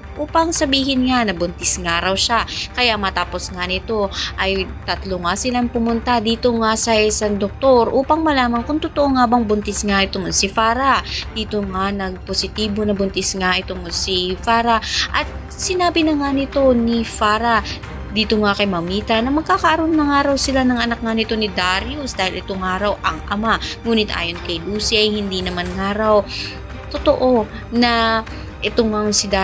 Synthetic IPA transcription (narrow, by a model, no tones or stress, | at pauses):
ʔuːpɐŋsɐbiːhɪnŋanɐbʊnt̪ɪsŋaɾɐwʃakɐjamɐt̪aːpo̞sŋanɪt̪o̞ʔɐjt̪ɐt̪loŋasɪlaŋpʊmʊnt̪ad̪iːt̪oŋasɐʔɪsand̪ok̚t̪o̞ɾʔuːpɐŋmɐlaːmɐnkʊŋt̪ʊt̪oʔoŋabɐŋbʊnt̪ɪsŋaɪt̪oŋnsɪfaːɾɐd̪̥iːt̪oŋanɐɡ̚posɪt̪iːbo̞nɐbʊnt̪ɪsŋaʔɪt̪oŋsifaːɾaʔɐt̪̚ | sɪnaːbɪnɐŋanɪt̪o̞nifaːɾɐ | d̪iːt̪oŋakɐjmɐmiːt̪ɐnɐmɐɡ̚kaːkɐʔɐɾonːɐŋaːɾɐwsɪlanɐŋɐnak̚ŋanɪt̪o̞nɪd̪aɾiusd̪aːhɪlʔɛt̪oŋaːɾɐwʔɐŋʔɐ̰maŋuːnɪt̪ʔa̰ːjonkɐjluːsiʔɐjhɪnd̪inɐmanŋaːɾɐw | t̪ot̪oʔo̞ | nɐ | ʔɛt̪oŋaŋsɪd̪a